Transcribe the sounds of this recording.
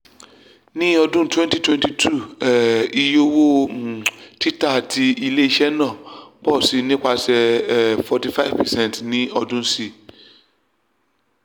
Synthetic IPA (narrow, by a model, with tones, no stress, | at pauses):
nĩ˦ɔ˨dʊ̃˦˨tʰwɛ̃˦nti˨tʰwɛ̃˦ntʰi˨tʰu˦˨ɛ˨i˨jo˦wo˦˨ | tʰi˦ta˨tʰɪ˨i˨le˦i˨ɕɛ˦nã˨bɔ˦˨si˨nĩ˦kʷa˨sɛ˨fɔ˨ti˨fa˦i˦vpɛ˨sɛ̃˦n˨tnĩ˦ɔ˨dʊ̃˦si˨